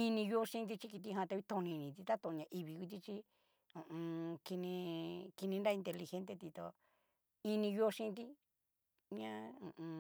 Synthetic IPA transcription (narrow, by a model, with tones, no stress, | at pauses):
i˧nĩ˧jo˦ʃĩ˦˧t̪i˧t͡ʃi˦ki˧t̪̬i˧ɦã˧t̪a˧i˦t̪õ˧nĩ˧nĩ˨t̪i˧t̪a˦t̪õ˧ɲã˧ʔi˧βi˧ku˧t̪̬i˦t͡ʃi˦ | ũ˨ũ˧ki˧nĩ˧ki˧nĩ˧nɾa˦i˧nt̪e˧li˧xe˧˦nt̪e˧t̪i˧t̪o˧ | i˧nĩ˧jo˦˧ʃĩ˦˧t̪̬i˦ | ɲã˦ũ˨ʔũ˧